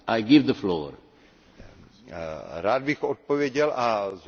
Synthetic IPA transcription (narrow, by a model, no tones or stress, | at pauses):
ʔajɡɪvd̪əflo̰ːɾ | ɾaːd̪̚bɪxot̪̚povjɛɟɛlʔaz